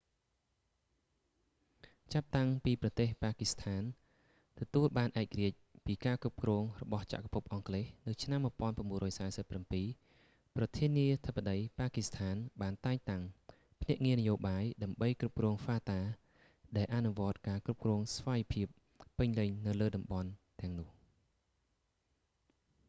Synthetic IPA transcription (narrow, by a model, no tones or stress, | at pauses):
t͡ɕap̚t̪aŋpiːprɑt̪eːhpaːkist̪ʰaːn | t̪ɔt̪uəlɓaːnʔaɛk̚kriəc̚piːkaːkrup̚krɔːŋrɔɓɑht͡ɕa̰ʔkḁpʰup̚ʔɑŋkleːhnɨwt͡ɕʰnamːŭəpŏənpramɓuənrɔːjsaːɛsəpːrampiː | prɑt̪ʰiənːiət̪ʰəpːaɗəjpaːkist̪ʰaːnɓaːnt̪aɛŋt̪aŋ | pʰnɛ̆əʔŋiənəjoːɓaːjɗaəmɓəjkrup̚krɔːŋfaːt̪aː | ɗaɛlʔanuʋŏət̪̚kaːkrup̚krɔːŋsʋaːjpʰiəp̚ː | ɨɲlɨɲnɨwləːɗɑmɓɑnt̪ɛ̆əŋnʊ̆əh